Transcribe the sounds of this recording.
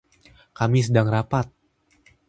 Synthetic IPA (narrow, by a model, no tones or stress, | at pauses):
kamis̬ədaŋrapat̪̚